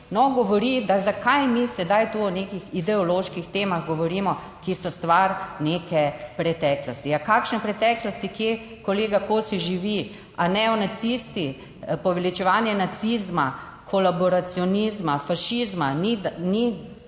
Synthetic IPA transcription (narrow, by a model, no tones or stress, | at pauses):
nɔɡɔʋɔɾid̪azakʰajmisɛd̪ajt̪uːɔnekixid̪ɛɔloʃkixt̪eːmaɣɡɔʋɔɾiːmɔ | kisɔst̪ʋaɾnekɛpɾɛt̪ɛklɔst̪iakaːkʃnɛpɾɛt̪ɛːklɔst̪ikje | koleːɡakosiʒiʋi | anɛɔnat̪sist̪i | pɔʋɛlit͡ʃɛʋaːnjɛnat̪sizma | kʰɔlabɔɾat̪siɔnizmafaʃizmanini